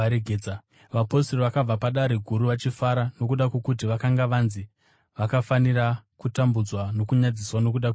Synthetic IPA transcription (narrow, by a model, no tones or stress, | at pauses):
ɾeɡʱed͡za | ʋaposeroʋakab͡vapaɗaɾiɡʱuɾuʋat͡ʃifaɾano̞kuɗakwekut̬iʋakaŋɡaʋanzi | ʋakafanirakutambud͡zwano̞kuɲad͡ziswano̞k̬uɗak